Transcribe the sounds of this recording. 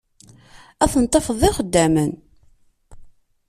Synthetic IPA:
æθənt̪ˤːɑfəðˤɪχəd̪ːæmən

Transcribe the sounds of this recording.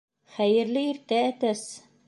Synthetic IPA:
χæjɘ̆ɾlɘiɾt̪ææt̪æs

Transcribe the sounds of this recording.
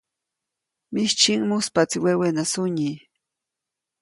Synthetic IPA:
mɪʃt͡ʃiŋmʊspat͡sɪwewenasʊɲi

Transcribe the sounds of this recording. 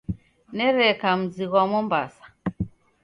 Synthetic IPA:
nɛɾɛkam̩ziɣwamɔmbasḁ

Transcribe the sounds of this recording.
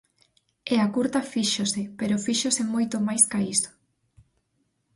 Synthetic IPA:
ɛakuɾt̪ɐfiʃosɪpeɾofiʃosɪmojt̪omajskaiso̥

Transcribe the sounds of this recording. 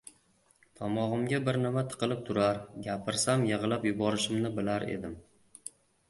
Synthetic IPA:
t̪ʰɒmɒʁɨmɡʲabɪɾnɪmat̪ʰɨ̥qʰɨlˠɪp̚t̪ʰʊɾaɾɡʲapʰɪɾsamjɨʁlˠapjʊbɒɾɪʃɪmnɪbɪlaɾḛd̪ɪm

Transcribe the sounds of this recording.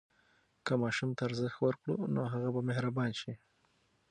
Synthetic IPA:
kamɑʃumt̪aːɾzəxt̪wəɾkɽunoɦaɣabameɦɾabɑnʃi

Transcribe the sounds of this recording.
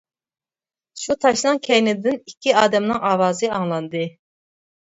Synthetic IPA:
ʃut̪ʰɑʃnɨŋkʲʰɛjnɪd̪ɪnikʲʰːiɑːd̪ɛmnɨŋɑːwɑːzɨɑŋlˠɑnd̪ɨ

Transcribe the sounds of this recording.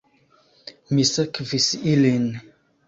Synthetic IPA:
misəkvisilin

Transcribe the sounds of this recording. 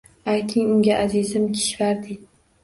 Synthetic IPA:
ajt̪ʰɪŋʊŋɡʲaʔazɪzɪmkʲʰɪ̥ʃvaɾd̪ɪ

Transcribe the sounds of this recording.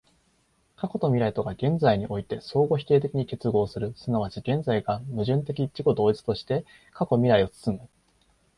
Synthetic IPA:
kako̞t̪o̞mʲiɾait̪o̞ɡaɡẽ̞nd͡zaiɲ̟iʔo̞it̪e̞so̞ːɡo̞çi̥k̪e̞ːt̪e̞kʲiɲ̟ike̞t͡sɨɡo̞ːsɨɾɯ̟sɨnaβ̞at͡ɕiɡẽ̞nd͡zaiɡamɯ̟ʑɨ̃nt̪̬e̞kʲit͡ɕiko̞d̪o̞ːit͡sɨ̥t̪o̞ɕi̥t̪e̞ | kako̞mʲiɾaio̞t͡sɨ̥t͡sɨmɯ

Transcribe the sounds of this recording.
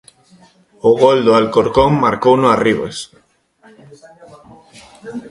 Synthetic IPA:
oɣold̪oalkoɾkomːaɾkownoariβḛs

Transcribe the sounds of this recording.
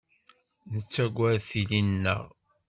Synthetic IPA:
nət͡sːæɡʷːæɾθilinnːə̰ʁ

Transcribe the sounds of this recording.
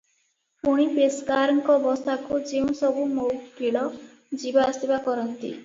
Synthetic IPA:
puɽ̃ibeskaɾɔŋkɔbɔst̪ʰakud͡ʒeũsɔbumowkkiɭɔ | d͡ʒibaasibakɔɾɔnt̪ḭ

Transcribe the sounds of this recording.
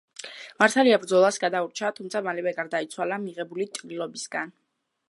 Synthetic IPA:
maɾt̪ʰaliabɾd̪zɔlˠasɡad̪auɾt͡ʃʰat̪ʰumt̪sʰamalɛvɛɡaɾd̪ait̪sʰwalamiʁɛbulit̪ʼlilˠɔbisɡan

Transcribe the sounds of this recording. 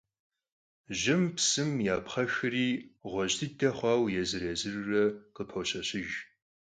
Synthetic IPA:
ʒɪmpsɨmjaːpχɐxɨriːʁʷɔʑtʰɨtʰɐχʷɑːwjɛzɨɾeːzɨrrɐqəpʰɐwɕɐɕɪʒ

